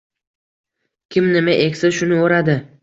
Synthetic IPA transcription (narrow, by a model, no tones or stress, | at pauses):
kʲʰɪmnɪmaʔekʲsɪzʃʊnɪoɾad̪ɪ